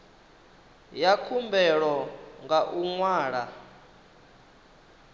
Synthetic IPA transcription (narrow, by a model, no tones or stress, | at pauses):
jakʰumbɛɺɔŋɡaʔuŋwaːɺa